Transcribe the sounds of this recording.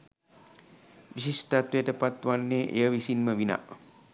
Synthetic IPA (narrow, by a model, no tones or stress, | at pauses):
ʋisist̪at̪ujəʈəpat̪ʋanːeʔḛjəʋisinməʋina̰ʔ